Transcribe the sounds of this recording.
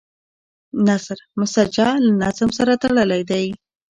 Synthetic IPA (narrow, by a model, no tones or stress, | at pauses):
nasɾmʊsad͡ʒɑlanazmsaɾat̪aɽəlajd̪aj